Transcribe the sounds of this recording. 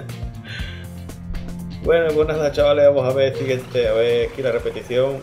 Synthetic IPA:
bwenoebonaðat͡ʃawleβamosaβeɾsiɣent̪eaβeɾkilarepet̪iθjoŋ

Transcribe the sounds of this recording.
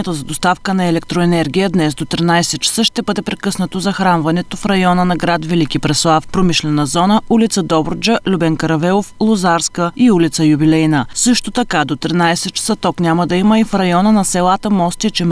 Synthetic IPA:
ɛt̪ozɐd̪ost̪afkənɐɛlɛk̚t̪ɾoɛnɛɾɡʲijəd̪nɛsd̪ot̪ɾinajsɛt̪̚t͡ʃɛ̥sɤʃt̪ɛbɤd̪ɛpɾɛkɤsnət̪ozɐxɾanvɐnɛt̪ofɾɐjɔnənɐɡɾat̪vɛlik̟ipɾɛslˠafpɾomiʃlɛnəzɔnəʔulit̪səd̪ɔbɾd͡ʒəlʲubɛnkəɾɐvɛlˠoflˠozaɾskəiulʲit̪səjubilɛjnəsɤʃt̪ot̪ɐkad̪ot̪ɾinajsɛt̪̚t͡ʃɛ̥sət̪ɔknʲaməd̪ɐiməifɾɐjɔnənɐsɛlˠat̪əmɔst̪it͡ʃɛm

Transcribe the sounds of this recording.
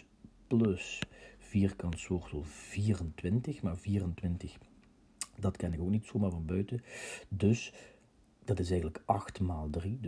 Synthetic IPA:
plɵsv̥iːrkɑntsʋoːrtɔlˠv̥iːrəntʋɪntəxmaːrviːrəntʋɪntəx | dɑtkɛnɪkowknitsomaːɹvɑnbœɥtədɵs | d̥ɑtɪsɛjɣənələkɑxtmaːlˠdrid

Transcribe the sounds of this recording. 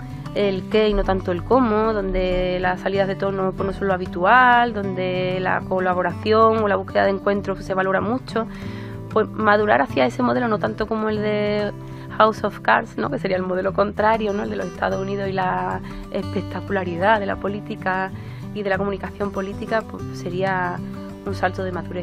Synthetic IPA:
elke̞ino̞t̪ant̪oe̞lko̞moðo̞nd̪e̞lasaliðaɦð̞e̞t̪o̞nopwenosonloaβit̪uald̪o̞nd̪e̞la̰ko̞laβo̞ɾaθjo̞ŋolaβuhke̞ðaðe̞ŋkwe̞nt̪ɾose̞βalo̞ɾamũt͡ʃo̞ | pwe̞smað̞uɾaɾaθjae̞se̞mo̞ð̞e̞lo̞no̞t̪ant̪oko̞moe̞lðe̞ | hawsofkaɾsno̞̰ke̞se̞ɾiaelmo̞ð̞e̞lo̞ko̞nt̪ɾaɾjono̞eld̪elo̞se̞ht̪ʰa̰ðosuniðosila | ehpe̞k̚t̪akulaɾiðaðe̞la̰po̞lit̪ika | ið̞e̞lakomũnikaθjo̞mpo̞lit̪ikapwese̞ɾia | unsalt̪oð̞e̞maðuɾe

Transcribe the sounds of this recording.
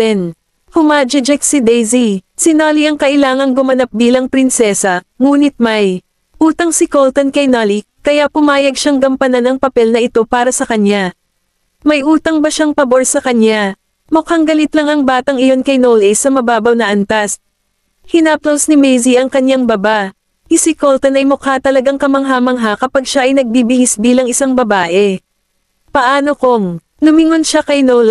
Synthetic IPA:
ɛn | hʊmad͡ʒɐd͡ʒɛksɪd̪ɛjzisɪnaliɐŋkɐʔɪlaːŋɐŋɡʊmɐnap̚biːlɐŋpɾɪnsɛsɐ | ŋuːnɪt̪̚maj | ʔuːt̪ɐŋsɪkolt̪onkɐjnali | kɐjapʊmaːjɐɡ̚ʃaŋɡɐmpɐnanɐŋpɐpɛlnɐʔɪt̪o̞paːɾɐsɐkɐɲja | mɐjʔuːt̪ɐŋbɐʃaŋpɐbo̞ɹsɐkɐnɲa | mʊkaŋɡɐlɪt̪lɐŋɐŋbaːt̪ɐŋɪjo̞nkɐjnowlɪsɐmɐbaːbɐwnɐʔɐnt̪ɐs | hɪnap̚t̪osnɪmɛjziʔɐŋkɐɲjaŋbɐbaʔ | ɪsɪkolt̪ɐnɐjmokat̪ɐlɐɡaŋkɐmɐŋɦamɐŋɦakɐpaɡʃaʔɐjnɐɡ̚biːbɪhisbiːlɐŋɪsaŋbɐbaːʔɛ | pɐʔaːno̞koŋ | nʊmɪŋonʃakɐjnowl

